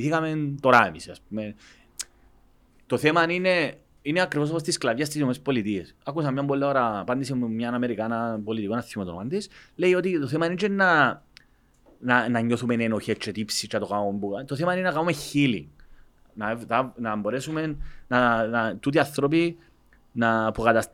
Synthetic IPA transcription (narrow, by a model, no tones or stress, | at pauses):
iθikɐment̪o̞ɾaemisiaspumen | t̪o̞θemanine | ineakɾivos̬post̪isklɐvʝɐst̪isnomespo̞lit̪iesɐkːusɐmɲɐmbolːeoɾapɐnd̪isemɲɐnɐme̞ɾikanapo̞lit̪ikonɐθːimt̪o̰and̪isle̞io̞t̪it̪oθemainet͡ʃenːa | nanɐɲːo̞θumenenoçet͡ʃːet̪ipsit͡ʃɐt̪okaumbuat̪oθemainenɐkaumeçilḭ | nat̪anɐmbo̞ɾesumenːanat̪ut̪iɐθɾop̬i | napukat̪ɐs